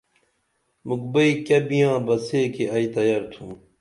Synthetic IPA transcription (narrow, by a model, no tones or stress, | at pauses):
muk̚bɐikɐbijãːbɐseːkeɐit̪ɐjɐɾt̪ʰum